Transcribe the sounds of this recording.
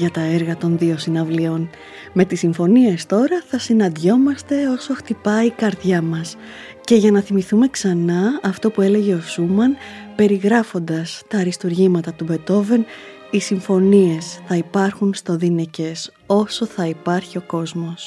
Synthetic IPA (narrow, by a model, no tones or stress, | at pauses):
ʝɐt̪ɐeɾɣɐt̪o̞nðio̞sinɐvlio̞n | me̞t̪isiɱfo̞nie̞st̪o̞ɾɐθɐsinɐnd̪ʝo̞mɐst̪e̞o̞so̞xt̪ipɐikɐɾðʝɐmɐs | ce̞ʝɐnɐθimiθume̞ksɐnɐːft̪o̞pue̞le̞ʝe̞o̞sumɐnpe̞ɾiɣɾɐfo̞nd̪ɐst̪ɐɾist̪uɾʝimɐt̪ɐt̪ube̞t̪o̞ve̞n | isiɱfo̞nie̞sθɐipɐɾxunst̪o̞ðinece̞s | o̞so̞θɐipɐɾçio̞ko̞zmo̞s